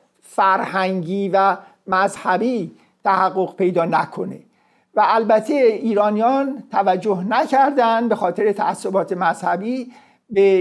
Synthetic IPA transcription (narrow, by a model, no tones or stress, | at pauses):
fæɾhæŋɟiːvæ | mæzhæbiː | t̪ʰæhæɣːo̞ɣpʰe̞jd̪ɒːnækʰo̞nḛ | væælbæt̪ʰeiːɾɒːnijɒːnt̪ʰævæd͡ʒːoɦnæcʰæɾd̪ænd̪be̞xɒːt̪ʰe̞ɾet̪ʰæ̰æsːo̞bɒːt̪ʰe̞mæz̥hæbiː | be